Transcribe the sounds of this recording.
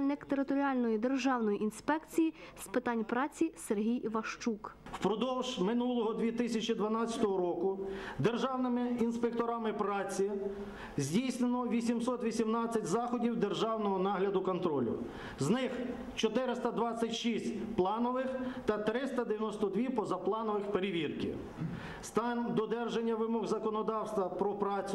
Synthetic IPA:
lʲnɪkt̪eɾɪt̪ɔɾʲiɑlʲnɔjid̪e̞rʒɑwnɔjiʔinspɛkt͡sʲijispɪt̪ɑnʲpɾɑt͡sʲiserɦʲijʋɐʃt͡ʃukwpɾɔd̪ɔwʒmɪnulˠɔɦɔd̪ʋʲit̪ɪsʲɐt͡ʃid̪ʋɐnɑt͡sʲɐ̥t̪ɔɦɔɾɔkʊd̪erʒɑwnɪmɪinspekt̪ɔɾɑmɪpɾɑt͡sʲi | zʲdʲijsnenɔʋʲisʲimsɔt̪ʋʲisʲimnɑt͡sʲːɐtʲzɑxɔdʲiwd̪erʒɑwnɔɦɔnɑɦlʲɐd̪ʊkɔnt̪ɾɔlʲʊ̰ | znɪx | t͡ʃɔt̪ɪɾɪst̪ɐd̪ʋɑt͡sʲːɐtʲʃisʲtʲplˠɑnɔʋɪxt̪ɐt̪ɾɪst̪ɐd̪eʋʲjɐnɔst̪ɔd̪ʲʋʲipɔzɐplˠɑnɔʋɪxpeɾɪʋʲirkɪ̰ | st̪ɑnʲd̪ɔd̪ɛrʒenʲːɐʋɪmɔɣzɐkɔnɔd̪ɑwst̪ʋɐpɾɔpɾɑt͡sʲʊ

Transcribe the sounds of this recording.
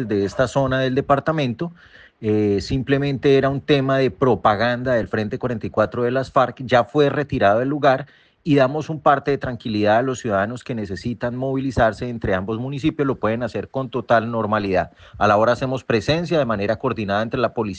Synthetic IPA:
zd̪e̞est̪aso̞naðe̞ld̪e̞paɾt̪amẽ̞nt̪o̞ | esimple̞mẽ̞nt̪e̞eɾaunt̪e̞maðe̞pɾo̞paɣand̪aðe̞lfɾe̞nt̪e̞kwaɾent̪ajkwat̪ɾoðe̞lasfaɾkd͡ʒafwe̞re̞t̪iɾaðoelːuɣaɾ | iðamo̞sumpaɾt̪e̞ðe̞t̪ɾaŋkiliðaalosːjuðaðano̞ske̞ne̞se̞sit̪anmo̞βilisaɾse̞ːnt̪ɾe̞ambo̞zmunis̬ipjo̞zlo̞pwe̞ð̞enase̞ɾko̞nt̪o̞t̪alno̞ɾmaliðað | alao̞ɾaːse̞mo̞spɾe̞se̞nsjaðe̞mane̞ɾako̞ɾd̪inaðaent̪ɾe̞lapo̞li

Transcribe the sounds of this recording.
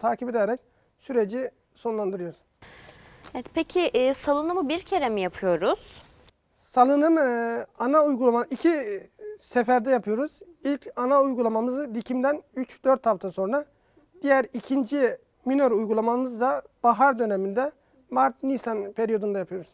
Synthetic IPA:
t̪ʰaːcʰipe̞d̪eɾɛc̚ | syɾe̞d͡ʒi | so̞nlˠand̪ɯɾɯjo̞ɾuz̥ | ɛt̪pʰecʰiʔsalˠɯnɯmɯbiɾcʰe̞ɾemijapʰɯjo̞ɾuz̥ | salˠɯnɯmanaujɡulˠamaɯicʰi | sefæɾd̪ɛjapʰɯjo̞ɾuz̥ | ilʲcʰanaujɡulˠamamɯzɯd̪icʰimd̪ænyt͡ʃd̪̥øɾt̪ʰhaft̪ʰaso̞nɾa | d̪̥ijæɾicʰind͡ʒi | minøɾujɡulˠamamɯzd̪ab̥aɦaɾd̪ø̞nemind̪ɛ | maɾt̪̚nisanpʰeɾijo̞d̪und̪ajapʰɯjo̞ɾuz̥

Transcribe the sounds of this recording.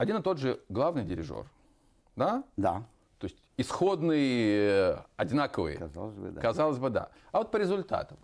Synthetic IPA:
ɐdʲinɨt̪o̞d̪ʐɨɡlˠavnɨjdʲɪɾʲɪ̰ʐo̰r | d̪ad̪a̰ | t̪o̞ɪsʲtʲɪsxo̞d̪nɨj | ɐdʲɪnakəvɨ̰jə̰za̰lˠəzʲbɨ̰kɐzalˠəszʲbɨd̪a̰ | ɐvo̞t̪̚pəɾʲɪzʊlʲt̪a̰t̪əm

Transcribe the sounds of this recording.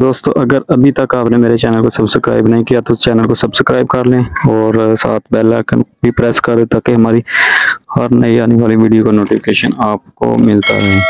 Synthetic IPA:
d̪oːst̪õ̰ʔɐɡəɾɐbʱit̪ɐkaːpnemeːɾet͡ʃɛːnəlkosɐbsəkɾa̰ːɪbnɐɦĩkijat̪oɪst͡ʃɛːnəlkosɐbsəkɾaːɪb̚kɐɾlẽɔːɾsa̰ːt̪ʰbɛːla̰ːkənbʱipɾɛːskɐɾd̪et̪aːkeɦɐmaːɾihɐɾnɐiaːneʋaːliʋiːɖijokanoːʈɪfɪ̥keːʃə̰naːp̚ko̰mɪlt̪a̰ɾɐɦeː

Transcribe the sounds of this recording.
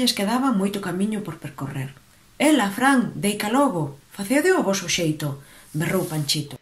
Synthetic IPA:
eskeðaβamojt̪ʊkamiɲʊpoɾpeɾkoreɾ | elafɾaŋd̪ejkalɔβofaθewðɪʊβɔsʊʃejt̪ʊ | berowpaɲt͡ʃit̪o

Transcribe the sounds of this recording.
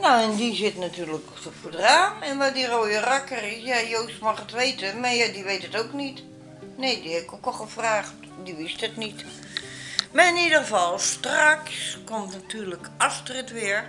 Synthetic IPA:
noɛndizɪtnatyːrlək | ofodraːɛnʋɔdiroːjərakərɪsjajoːstmaxətʋeːtəmajadiʋejtətoːknit | neːdihɛbɪkokɔxəfraːxt | diʋɪstətnit | maɪnidəχəfalˠstrakskomtnatʰyːɹləkastrɪtʋɪəɹ

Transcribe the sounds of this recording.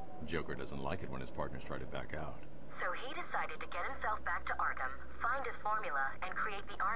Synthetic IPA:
d̥d͡ʒoʊkə˞dʌzə̃ntˡla̰ɪkɨt̚wə̃nɨz̥pʰɑ̰ɹtⁿnə̰˞ztʰɹ̥aɪɾtʰɨbæ̰kaʊt̚ | soʊiɾɪsaɪɾɨd̚tʰɨɡɛt̚hɨ̃msɛlˠfb̥æk̚tʰɨʔɑɹkə̃m | fãɪ̃nd̚ɨz̥fɔɹmjl̩ˠə | ɨ̃nkʰɹ̥ieɪt̪̚ðiʔɑ

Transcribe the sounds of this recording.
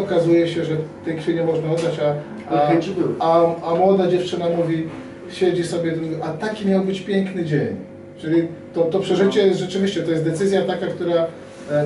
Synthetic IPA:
ɔkazujɛɕɛʐɛt̪ɛjkfʲeɲɛmɔʐnaɔd̪ːat͡ɕa | aamɔd̪ad͡ʑɛft͡ʂɘnamuvʲi | ɕed͡ʑisɔbʲjɛd̪ʔat̪akʲimʲjawbɘt͡ɕpʲjɛŋknɘd͡ʑeɲ | t͡ʂɘlʲit̪ɔt̪ɔpʂɛʐɘt͡ɕɛʐɛt͡ʂɘvʲiɕt͡ɕɛt̪ɔjɛst̪d̪ɛt̪sɘzʲjat̪akakt̪uɾa

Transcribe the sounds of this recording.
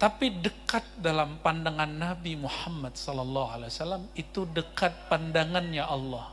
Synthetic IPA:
t̪apidəkat̪̚dalampandaŋanːabimuħamːad̪sɔlɔlːɑhalewasalamit̪udəkat̪̚pandaŋanɲaʔɑlːɔh

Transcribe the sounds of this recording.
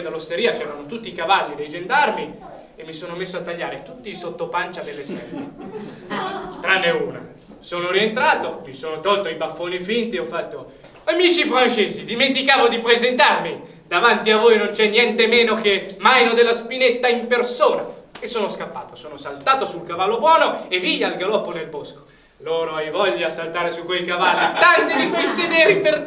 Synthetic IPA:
nd̪alost̪eɾiːat͡ʃɛːɾanot̪ut̪ːiːkavalːid̪ejd͡ʒend̪armi | emːisoːnomesːoat̪ːaʎːaːɾet̪ut̪ːiːsot̪ːopant͡ʃad̪elːesɛlːḛ | t̪ɾanːeuːna̰ | soːnoɾient̪ɾaːt̪omisoːnot̪ɔlt̪oibafːoːnifint̪iɔfːat̪ːo | amiːt͡ʃifɾant͡ʃeːzid̪iment̪ikaːvod̪ipɾezent̪armi | d̪̥avant̪iavːojnont͡ʃɛnːjɛnt̪emeːnok̟emːajnod̪elːaspinet̪ːaimpersoːna̰esːoːnoskapːaːt̪o̥soːnosalt̪aːt̪osulkavalːobwɔːnoevidalɡalɔpːonelbosko̥ | loːɾoajvɔʎːasalt̪aːɾesukːwejkavalːit̪ant̪id̪ikojsed̪ɛːɾiper

